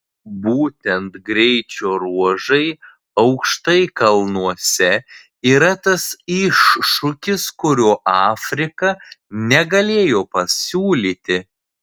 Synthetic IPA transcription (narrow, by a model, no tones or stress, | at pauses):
buːt̪ʲɛnt̪ɡɾʲɛɪt͡ʃʲoːɾuɔʒɐɪ | ɐʊkʃt̪ɐɪkɐlˠnuɔsʲɛ | iːɾɐt̪ɐsɪʃʊkʲɪskʊɾʲoːʔɑːfʲɾʲɪkɐnʲɛɡɐlʲeːjoːpɐsʲuːlʲiːt̪ʲɪ